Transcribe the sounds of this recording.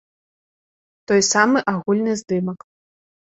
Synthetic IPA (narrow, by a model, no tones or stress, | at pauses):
t̪ɔjsamɨʔaɣulʲnɨzd̪ɨmɐk